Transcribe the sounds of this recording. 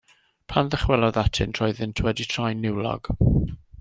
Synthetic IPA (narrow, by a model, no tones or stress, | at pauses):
pʰanðəχwɛlˠɔðatʰɪ̰ntʰrɔjðɪntʰwɛditʰrajnːɪwlɔ̰ɡ̥